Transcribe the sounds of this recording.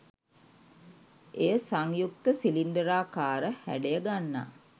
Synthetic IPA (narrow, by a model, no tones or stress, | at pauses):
ejəsaŋjuk̚t̪əsilinɖəɾaːkaːɾəhæ̰ɖejəɡanːa̰ː